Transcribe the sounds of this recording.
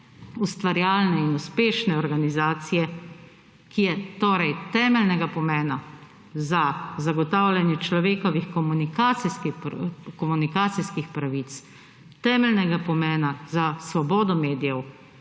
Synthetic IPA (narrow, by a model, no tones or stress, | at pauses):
ust̪ʋaɾjaːlnɛinuspeːʃnɛɔɾɡanizaːt̪sijɛ | kijɛt̪oːɾɛjt̪ɛːmɛlnɛɡapɔmɛːna | zazaɡɔt̪aːwlʲjanjɛt͡ʃlɔʋeːkɔʋixkɔmunikasiskikɔmunikaːt̪siskixpɾaʋit̪s | t̪ɛːmɛlnɛɡapɔmɛːnazasʋɔbɔːd̪ɔmeːd̪ijɛw